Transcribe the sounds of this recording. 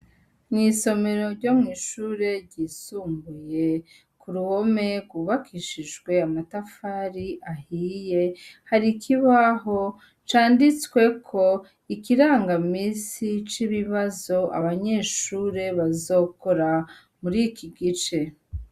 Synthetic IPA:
niːso̞me̞ɾo̞ɾɟomŋiːʃuːɾe̞ɾɟiːsuːmbuje̞ | kuɾuho̞me̞ɡwuβakʰiʃiʒɡwe̞amatafaːɾiʔahije̞haɾikʰiβaɦo̞ | t͡ʃaːndit͡skwe̞kʰo̞ | ikiɾaːŋɡamiːsit͡ʃiβiβazo̞ʔa̰βaɲe̞ːʃuːɾe̞βazo̞ːko̞ɾa | muɾikiɡit͡ʃe̞

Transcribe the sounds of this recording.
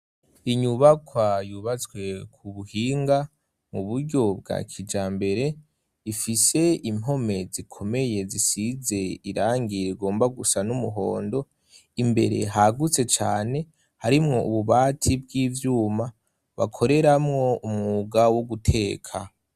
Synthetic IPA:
iɲuβakwajuβat͡sɡwe̞kʰuβuhiːŋɡa | muβuɾɟo̞b̚ɡa̰ːkʰid͡ʒaːmbe̞ɾe̞ | ifise̞imɦo̞me̞zikʰo̞me̞je̞zisize̞iɾaːŋɡiɾiɡo̞ːmbaɡusanumuɦo̞ːndo̞ | imbe̞̰ɾe̞̰ɦaɡut͡se̞t͡ʃa̰ːne̞ | haɾimŋo̞uβuβaːtʰib̚ɡiːvjuːma | βa̰kʰo̞ɾe̞ɾamŋo̞umŋuɡawoɡutʰe̞ːkʰa

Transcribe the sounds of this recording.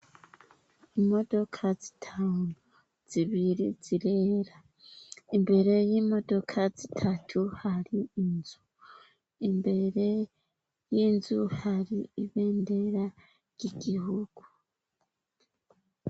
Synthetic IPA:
imo̞do̞kʰazi̥tʰaːnu | z̥iβiɾḭz̥iɾeɾa | imbe̞ɾe̞jiːmo̞do̞kʰazitʰatʰuhaɾiːnzu | imbe̞ɾe̞ | jiːnzuhaɾiiβeːnde̞ɾa | ɾjiɡihuɡ̥u

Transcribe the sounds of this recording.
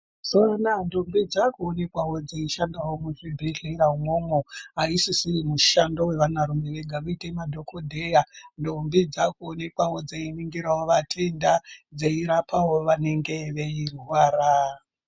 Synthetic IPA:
soanandombid͡zakuone̞kwawo̞d͡zeiʃandawo̞muʐibʱiɮiɾaumomoɦaisisiimuʃandowe̞ʋanaɾumeʋeɡʱaʋuitemadʱo̞kodʱejandombid͡zakuone̞kwawo̞d͡zeiniŋɡiɾawoʋatʰe̞ndad͡zeiɾapʰawoʋane̞ŋɡe̞ʋe̞irwaːɾa

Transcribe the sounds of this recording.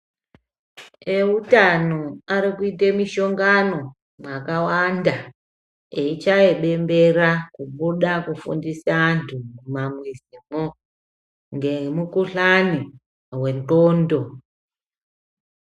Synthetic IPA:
eutano̞aɾikuitemiʃo̞ŋɡano̞ | mwakawanda | eit͡ʃae̞ɓe̞mbe̞rakuɓuɗakufṵndisaːntʰumumamwezimo | ŋɡe̞mukuɬani | we̞ntoːndo̞

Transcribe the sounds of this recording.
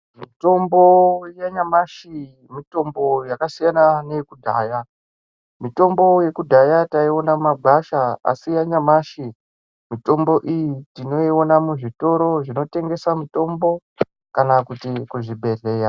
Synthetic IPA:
mito̞mbo̞jaɲamaʃi | mito̞mbo̞jakasijananekudʱa̰ːja | mito̞mbo̞je̞kudʱajataio̞namaɡʱaʃaa̰sijaɲamaʃi | mito̞mbo̞ʔijitino̞io̞namuʐito̞ɾo̞ʐino̞te̞ŋɡe̞samito̞mbo̞ | kanakutikuʐibʱe̞re̞ːja

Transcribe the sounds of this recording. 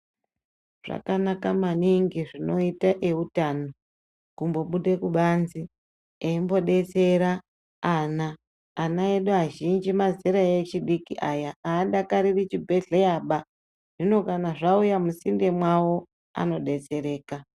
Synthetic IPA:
ʐ̥a̰kanakamaniŋɡiʐino̞itaʔe̞utano | kumbo̞ɓuɗe̞kuɓanzi | eimbo̞ɗe̞t͡seɾaː | naː | naeɗuɦaʒind͡ʒimaziɾaet͡ʃiɗikiʔajaaːɗakaɾirit͡ʃibʱe̞ɮejaɓa | ʐ̥ino̞kanaʐaujamusinde̞mwawo̞ | a̰no̞ɗe̞t͡se̞ɾe̞ːka

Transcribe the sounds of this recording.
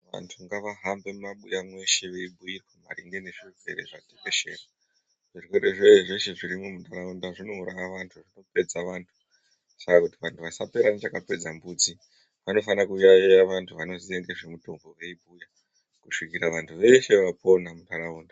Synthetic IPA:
ʋa̰ntʰuŋɡaʋaɦambe̞mmaɓujamwe̞ʃe̞ʋe̞ibʱujirwema̰ɾiŋɡe̞neʐird͡ze̞̰ɾeʐatepe̞ʃe̞ːra | ʐ̥irweɾeʐeʐe̞ʃe̞ʐiɾimumutaɾaundaʐino̞uɾajaʋantʰuʐino̞pe̞d͡zaʋaːntʰu̥ | sakakutiʋantʰuʋasape̞ɾanet͡ʃakape̞d͡zambuːt͡si | ʋano̞fanakujajejaʋantʰuʋano̞zieŋɡe̞ʐe̞mutoŋɡoʋe̞ibʱuja | kuʂikiɾaʋantʰuʋe̞ʃe̞ʋapo̞namutaɾauːnda

